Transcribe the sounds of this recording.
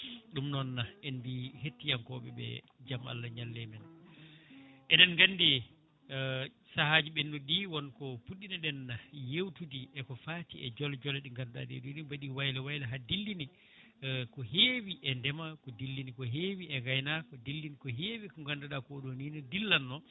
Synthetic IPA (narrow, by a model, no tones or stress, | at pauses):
ɗumnɔnːaɛnbihetːijaŋkɔɓɛ̰ɓɛ̰ | d͡ʒama̰lːaɲalːɛmɛn | ʔɛnɛnŋɡanːdɛ | sahaːd͡ʒiɓɛnduɗiwɔnkɔfuɗinaɗɛnːajewtudiʔɛkɔfaːtiɛ̰d͡ʒɔld͡ʒɔlɛɗiŋɡanda̰dḛduɗibaɗiwajlɛwajlɛɦadilːini | kɔhewiʔɛndɛmakɔdilːinikɔɦewiɛɡajnakɔdilːinikɔɦeːwikɡandaɗakɔɗoninɔdilːanːɔ